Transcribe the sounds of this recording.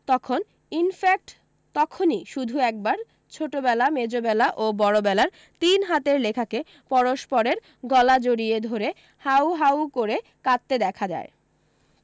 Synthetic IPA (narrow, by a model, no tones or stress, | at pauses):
t̪ɔkʰon | infak̚ʈ | t̪ɔkʰoniʃud̪ʱuɛk̚baɾ | t͡ɕʰoʈobɛlamed͡ʑobɛlaʔobɔɾobɛlaɾ | t̪inɦat̪eɾlekʰake | pɔɾoʃpɔɾeɾ | ɡɔlad͡ʑoɾied̪ʱoɾe | hawɦawkoɾe | kat̪ːed̪ɛkʰad͡ʑa̰e